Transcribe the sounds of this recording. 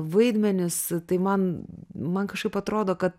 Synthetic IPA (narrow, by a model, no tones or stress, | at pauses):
ʋɐɪd̪ʲmʲɛnʲʊst̪ɐɪmɐnmɐnkɐʃkɐɪpɐt̪ɾoːd̪oːkɐt̪